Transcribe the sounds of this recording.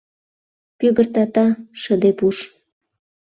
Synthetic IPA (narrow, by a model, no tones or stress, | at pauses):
pøɣərt̪ɑt̪ɑʃəd̪epuʃ